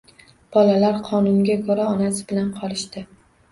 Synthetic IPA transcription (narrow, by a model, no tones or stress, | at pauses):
b̥ɒlalaɾqʰɒnʊnɡʲakʰɵɾaɒnasɪbɪlanqʰɒlɪʃt̪ɪ